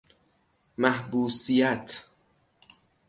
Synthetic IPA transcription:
mæhbuːsijæt̪ʰ

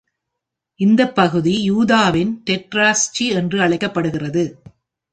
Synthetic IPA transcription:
ʔɪnd̪ɐpːɐɣɯðijuːðaːʋɪnt̪ɛʈɾaːst͡ʃiɛndrɯɐɭɐɪkːɐpːɐɽɯɣɪrɐðɯ

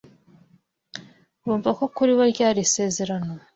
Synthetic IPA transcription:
ɾuːɱvako̞kuɾiβoɾɟaːɾise̞ːze̞ɾano

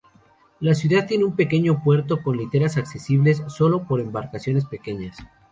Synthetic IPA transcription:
lasjuðað̚t̪ːje̞neumpe̞ke̞ɲo̞pwe̞ɾt̪o̞ko̞nlit̪e̞ɾasakse̞siβle̞sːo̞lo̞po̞ɾe̞mbaɾkasjo̞ne̞spe̞ke̞ɲas

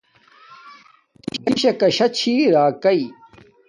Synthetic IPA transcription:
t̪iɕɐɕɐkɐɕɐt͡ɕʰiːɾaːkɐi

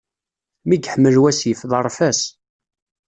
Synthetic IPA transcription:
miɡħəmːəlwæsjəfðˤərˤfæs

